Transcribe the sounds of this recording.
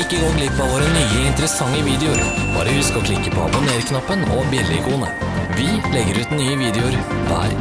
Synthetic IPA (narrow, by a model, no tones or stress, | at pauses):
ɪkːəɡoːɡlɪpːɑʋoːɾənyːəɪnt̪əɾəsɑŋːəʋiːd̪ɛʊɾb̥ɑ̰ːɾəʋɪskɑlkʰlɪkːəpʰɔɑ̰bʊneːɾkʰnɑpːənɔbjɛlːɪkʰuːnə̰ | ʋɪlɛɡəɾʉːt̪nyːəʋiːd̪ɛʊɾ | ʋæ̰ːɾ